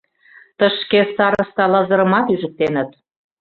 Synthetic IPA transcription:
t̪əʃkesɑɾə̆st̪ɑlɑzə̆ɾə̆mɑt̪yʒə̆t̪enə̆t̪̚

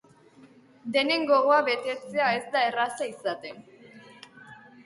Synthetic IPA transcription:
d̪e̞ne̞ŋɡo̞ɣoaβe̞t̪e̞t͡se̞ae̞zd̪ae̞rasaisat̪e̞n

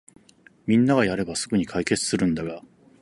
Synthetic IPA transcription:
mʲĩnːaɡajaɾe̞basɨɡɯ̟ɲ̟ikʰaike̞t͡sɨ̥sɨɾɯ̟̃nd̪aɡa

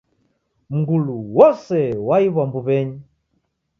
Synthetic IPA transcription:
m̩ɡuluwɔsɛwaiβwambuβɛɲi

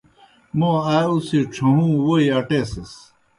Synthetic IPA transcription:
moausiʈ͡ʂʰɐɦũːwojɐʈeses

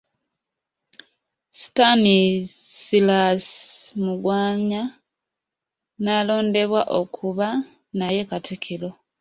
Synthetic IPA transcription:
si̥tanisilasmuɡwaːɲa | nalo̞ːnde̞βwaʔo̞kʰuβa | naje̞katʰekʰelo̞

